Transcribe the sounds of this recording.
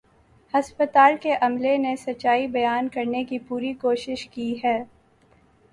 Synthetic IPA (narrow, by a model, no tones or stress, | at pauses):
hɐspət̪aːlkeʔɐmlenesɐt͡ʃːaːibɐjaːnkɐɾnekipuːɾikoːʃɪʃkiɦɛː